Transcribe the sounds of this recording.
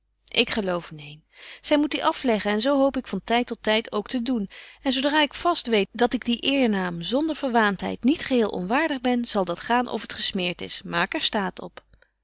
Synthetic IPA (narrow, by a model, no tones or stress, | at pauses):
ʔɪkχəlowfnejn | z̥ɛjmut̚diʔɑflɛχənɛnzowɦowpɪkfɑntɛjtːɔtɛjtowktədunɛnzowdraːɪkfɑstʋejdɑtɪɡ̚diʔɪːɹnaːmzɔndəɹv̥əɹʋaːntɦɛ̰jtnitχəɦɪːlˠʔɔ̰nʋaːɹdəχbɛnz̥ɑlˠdɑtχaːnʔɔ̰fətχəsmɪːɹtɪ̰smaːkɛɹstaːtɔ̰p